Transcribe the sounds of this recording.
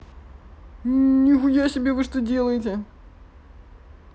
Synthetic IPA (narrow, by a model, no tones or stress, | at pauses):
nʲɪxʊjasʲɪbʲevɨʂt̪odʲe̞lˠəjɪt̬ʲɪ